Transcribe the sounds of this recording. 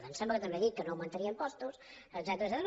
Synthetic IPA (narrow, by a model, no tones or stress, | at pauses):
ðənsɛmbləkət̪əmbeðit̪̚kənoːwmənt̪əɾiəimpɔst̪us | əɡzɛt̪ɾəzɛt̪ɾ